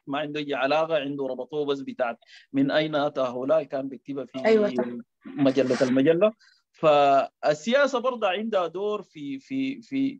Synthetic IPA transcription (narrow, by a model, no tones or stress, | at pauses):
maʕind̪uʔad͡ʒiʕalaːɣaʕind̪uɾˤɑbɑt̪ˤoːbas̬bit̪aːʕat̪̚minʔajnaʔat̪aɦawlaːlkaːnbik̚t̪ibafiajw | maɟalːat̪almaɟalːa | faːsːijaːsabɑɾˤd̪ˤɑʕind̪had̪oːɾfififi